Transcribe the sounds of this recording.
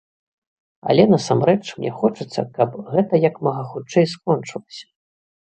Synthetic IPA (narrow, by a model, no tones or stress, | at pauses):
ɐ̰lʲɛnɐsamɾɛt͡ʂmnʲɲʲɛ̰xɔt͡ʂɨt̪sːɐ̰kɐpɣɛt̪ɐjɐkmɐɣɐxut͡ʂːɛjskɔnt͡ʂɨlˠɐsʲɐ̥